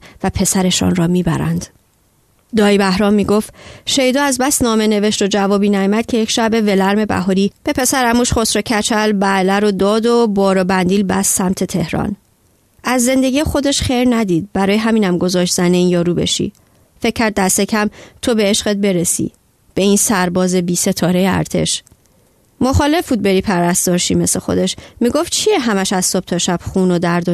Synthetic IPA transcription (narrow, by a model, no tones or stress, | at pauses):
væpʰe̞sæɾe̞ʃɒ̰ːnɾɒːmiːbæ̰ɾæ̰nd̪̥ | d̪ɒːjbæhɾɒːmːiːɡoft̪ʃe̞jd̪ɒːæzbæst̪nɒːmene̞ve̞ʃt̪od͡ʒævɒːbiːnæjmæd̪̥̚cʰe̞jecʃæbe̞ve̞læɾme̞bæ̰ɦɒːɾiːb̥e̞pʰe̞sæɾæmuːʃχosɾocʰæt͡ʃʰælbælæɾod̪ɒːd̪obɒːɾɒːbænd̪iːlbæst̪sæmt̪ʰe̞t̪ʰe̞hɾɒ̰ːn | æzːe̞nd̪e̞ɟʲiːjexo̞d̪e̞ʃxejɾnæd̪iːd̪̚bæɾɒːjeɦæmiːnæmɡo̞zɒːʃt̪zænenjɒːɾuːbe̞̰ʃḭː | fe̞cʰːæɾd̪ːæst̪e̞cʰæmt̪ʰo̞be̞eʃɣet̪̚be̞ɾesḭ | b̥e̞insæɾbɒːzebiːse̞t̪ʰɒːɾejeæ̰ɾt̪ʰe̞̰ʃ | mo̞xɒːlefud̪̚beɾiːpʰæɾæstd̪ɒːɾʃḭme̞sexo̞̰d̪e̞ʃmiːɡoft͡ʃʰieɦæmæʃæzsob̚t̪ʰɒʃæb̥χuːnod̪æɾd̪o